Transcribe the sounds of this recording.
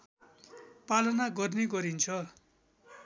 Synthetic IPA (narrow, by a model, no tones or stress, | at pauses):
palʌnaɡʌrneɡʌɾint͡sʰʌ